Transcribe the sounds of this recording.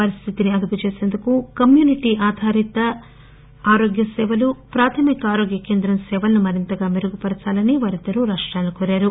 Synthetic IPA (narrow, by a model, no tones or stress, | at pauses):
pɐɾist̪ʰit̪iniɐd̪uput͡ʃeːse̞ːnd̪ukukɐmjuːniʈiʔaːd̪ʱaːɾit̪ɐ | aːɾoːɡjɐsɛːʋɐlupɾaːt̪ʰɐmikaːɾoːɡjɐkeːnd̪ɾɐmsɛːʋɐlɐnumɐɾint̪ɐɡaːmeɾuɡupɐɾɐt͡ʃaːlɐniʋaːɾid̪ɐɾuɾaːʂʈɾaːlːukoːɾaːɾu